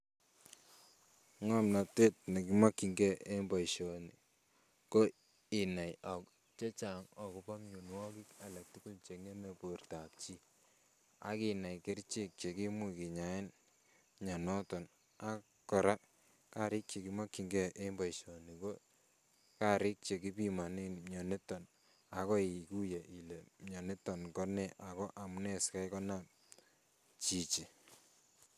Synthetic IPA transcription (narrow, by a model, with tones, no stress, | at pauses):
ŋa˦mna˨te˦t̚ni˨ki˦ma˦kːi˨ŋɡɛ˦ʔe˦mba˨iʃɔ˨ni˨ | ko˦ | i˨na˨jɔ˨ | t͡ʃe˦t͡ʃa˨ŋɔ˨ku˨pa˦ŋɲu˨nwɔ˦ki˦ka˨la˨k̚tu˦ku˦lt͡ʃe˨kŋe˦me˨po˨rta˨p̚t͡ʃi˦ | a̰˦ki˦na˨jke˦ɾt͡ʃe˦˨k̚t͡ʃe˨ki˦mu˦ki˨ɲa˨ɪ˦n | ɲa˨nɔ˦tɔ˨n | a˦ | kːɔ˨ɾa˦ | ka˦ɾɪ˦k̚t͡ʃe˨ki˦ma˦kːi˨ŋɡɛ˦ʔe˦mba˨iʃɔ˨ni˨ko˦ | ka˦ɾɪ˦k̚t͡ʃe˨ki˦pi˦ma˨ne˦nɲɔ˨ne˦tːɔ˨n | a˨˦kɔ˦i˨ku˦je˨ʔi˨le˨mɲɔ˨ne˦tːɔ˨nkɔ˦nɛ˦ʔa˨kɔ˦ʔa˨mu˨˦nɛ˦ska˦jkɔ˦na˦ | t͡ʃi˨t͡ʃi˨